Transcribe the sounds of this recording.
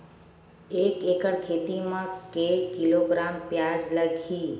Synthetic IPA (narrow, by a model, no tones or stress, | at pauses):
ekekəɽkʰet̪imãkekːiloɡɾampjad͡ʒləɡʰʱi